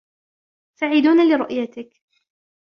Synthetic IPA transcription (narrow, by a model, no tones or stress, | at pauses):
saʕɪd̪uːnalɪɾˤʊʔjat̪ɪk